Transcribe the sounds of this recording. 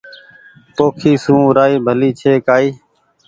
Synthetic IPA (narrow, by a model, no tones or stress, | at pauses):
poːkʰiːsũːɾaːiːbʱəliːt͡ʃʰeːkaːiː